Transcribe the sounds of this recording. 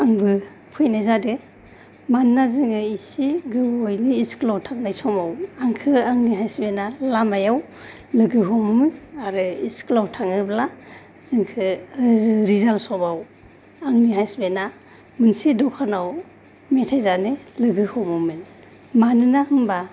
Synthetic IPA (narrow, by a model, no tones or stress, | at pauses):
aŋbɯ | pʰɯjnajzadɯ | mannazɯŋɯisiɡɯwojniisklawtʰak̚najsɔmawaŋkʰɯaŋniɦajsbenalamajaw | lɯɡɯɦɔmumɯnaɾɯisklawtʰaŋɯbla | zɯŋkʰɯ | ɾizalsɔbaw | aŋniɦajsbena | mɯnsidɔkʰanaw | metʰajzanɯlɯɡɯhɔmumɯn | manɯnahɯmba